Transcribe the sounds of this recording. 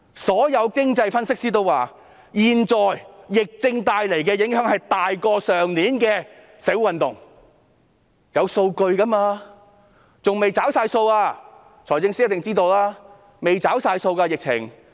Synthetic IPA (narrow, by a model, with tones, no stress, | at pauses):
sɔː˨˥jɐ˨˧wkɪ˥ŋt͡sɐ˧jfɐ˥nsɪ˥k̚siː˥t̪o˥˧waː˨ | jiː˨nt͡sɔː˨˩jːɪ˨k̚t͡sɪ˧ŋt̪aː˨˧jle˨˩jk̬ɛː˧jɪ˨˥ŋɦœː˨˥ŋhɐ˨jt̪aː˨jkɔː˧sœː˨˩ŋliː˨˥nkɛː˧ | sɪ˨˥wwɐ˨nt̪ʊ˨ŋ | jɐ˨˧wso˧wkɵ˧ɥkɐ˥maː˧ | t͡sʊ˨ŋme˨˩jt͡saː˨˥wsaː˧jso˧waː˧ | t͡sʰɔː˨˩t͡sɪ˧ŋsiː˥jɐ˥t̪ɪ˨ŋt͡siː˥t̪o˧wlaː˥ | me˨jt͡saː˨˥wsaː˧jso˧wkaː˧jɪ˨k̚t͡sʰɪ̰˨˩ŋ